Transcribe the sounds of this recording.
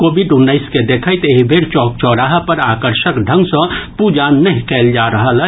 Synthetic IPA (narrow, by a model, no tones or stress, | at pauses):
koːbiɖʊnːəɪsked̪ekʰəjt̪eɦibʱeɾt͡ʃɔːk̚t͡ʃɔːɾaːɦpəɾaːkəɾʃəkɖʱə̃ŋɡsə̃pud͡ʒanəɦĩkeːld͡ʒaɾəɦəlɛ